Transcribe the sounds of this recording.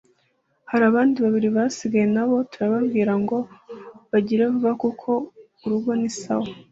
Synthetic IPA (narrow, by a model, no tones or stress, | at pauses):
haɾaːβaːndiβaβiɾiβasiɡajenaβo̞tuɾaβaβɡiːɾaŋɡo̞βaɟiɾeβuβakukʰo̞ | uɾuɡo̞nisa̰wo